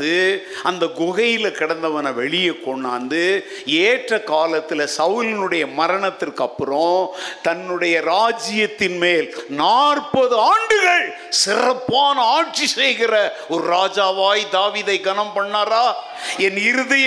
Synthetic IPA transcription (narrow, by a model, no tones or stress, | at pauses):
ðɯ | ɐnd̪ɐɡʊɣɐjɪlɐkɪɽɐnd̪ɐʋɐnɐʋɛɭɪjɐkːɔɳːaːnd̪ɯ | eːʈrɐkaːlɐt̪ːɪlɐsɐʋlɪnɯɽɐjɐmɐɾɐɳɐt̪ːɪrkɐpːɯrõːt̪ɐnːɯɽɐjɐɾaːd͡ʒɪjɐt̪ːɪnmeːlnaːrpɐðɯaːɳɖɯɣɐɭ | sɪrɐpːaːnɐaːʈt͡ʃisɛjɣɪrɐ | ɔɾɯɾaːd͡ʒaːʋaːjd̪aːʋiːðɐɪɡɐnɐmpɐɳːaːɾaː | ɛnɪɾɯðɐj